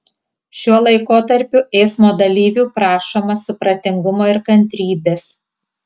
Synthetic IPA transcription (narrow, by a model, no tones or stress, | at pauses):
ʃʲuɔlˠɐɪkoːt̪ɐɾʲpʲʊʔɛɪsmoːd̪ɐlʲiːʋʲuːpɾɑːʃoːmɐsʊpɾɐt̪ʲɪŋɡʊmoːɪɾkɐnʲt̪ʲɾʲiːbʲeːs